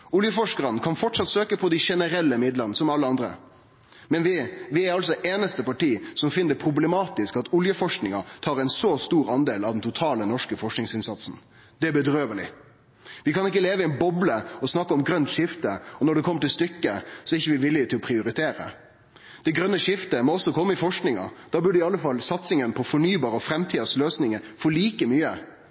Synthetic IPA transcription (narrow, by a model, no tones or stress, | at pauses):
ʊljəfɔʂkəʁənəkʰɑnfɔʈʂɑt̪søːkəpʰɔd̪æɪʂɛnəɾɛlːəmɪd̪ləʁnəsɔmɑlːəɑnd̪ɾə̰ | mɛnʋɪʋɪæɾɑlsɔʔeːnəst̪əpɑʈiːsɔmfɪnːd̪əpʰɾʊblɛmɑːt̪ɪskɑt̪ʊljəfɔʂknɪŋɑt̪ʰɑːɾɛɪnsost̪uːɾɑnd̪eːlɑʋd̪ɛnt̪ʰʊt̪ʰɑːlənɔʂkəfɔʂknɪŋsɪnsɑt̪sn̩ | d̪̥ɛæbəd̪ɾøːʋəlɪ̰ | ʋɪkɑnɪk̬ːəleːʋəɪɛɪnbɔbləɔsnɑkːəɔmɡɾœnt̪ʂɪft̪əɔnɔɖ̪ɛkʰɔmːəʈɪlst̪ʏkːəsɔɛɪçːəʋɪʋɪlːɪt̪ʰɪlɔpʰɾɪʊɾɪt̪ʰeːɾə̰ | d̪̥ɛɪɡɾœnːəʂɪft̪əmɔɔsːɔkʰɔmːəɪfɔʂknɪŋɑ̰d̪̥ɑːbʉɖəɪɑlːəfɑlsɑt̪sɪŋənpʰɔfɔɳyːbɑːɾəɔfɾɛmt̪ʰiːd̪əsløːsnɪŋəfɔɭiːkəmyːə